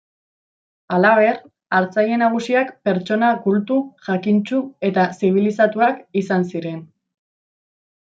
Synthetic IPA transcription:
alaβ̞e̞ɾ | aɾt͡saje̞naɣ̞usiakpe̞ɾt͡ʃo̞nakult̪uʝakint͡ʃue̞t̪asiβ̞ilisat̪uakisansiɾe̞n

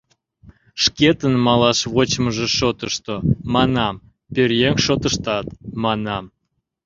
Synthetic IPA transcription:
ʃket̪ənmɑlɑʃβot͡ɕməʒĕʃot̪əʃt̪omɑnɑm | pʲørjeŋʃot̪əʃt̪ɑt̪mɑnɑm

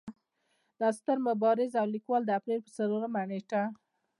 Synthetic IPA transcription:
d̪̥əast̪əɾmʊbɑɾɪzawlikwɑld̪əapɾelpəsaloɾamaneʈa

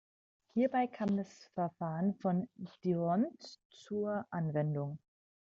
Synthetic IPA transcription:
hiːɐbaɪkʰaːmdasfɛɐfaːʁənfɔnd̥iɔnt͡suːɐʔanvɛndʊŋ

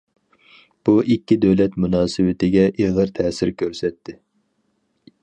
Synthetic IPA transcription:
b̥uʔikʲːid̪øwlɛt̪munɑːsɨwɪt̪ʰɪɡʲɛʔeʁəɾt̪ʰɛːsɪɾkʲʰøɾsɛt̪ʰːɪ

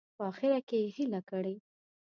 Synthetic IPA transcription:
pəɑxɪɾakejhilakəɽe

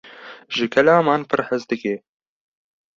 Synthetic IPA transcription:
ʒɨkʰɛlaːmɑːnpʰɨɾħəzd̪ɨkeː

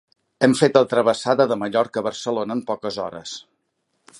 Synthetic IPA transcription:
ɛmfet̪əlˠt̪ɾəβəsaðəðəməʎɔɾkəβəɾsəlonəːmpɔkəzɔ̰ɾə̰s

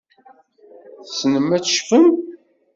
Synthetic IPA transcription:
θsnəmːæt͡sʃfən

